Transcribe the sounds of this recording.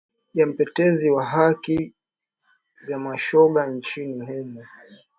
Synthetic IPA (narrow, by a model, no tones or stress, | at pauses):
jam̩pɛtɛziwaɦaki | zamaʃɔɓant͡ʃinihɛmu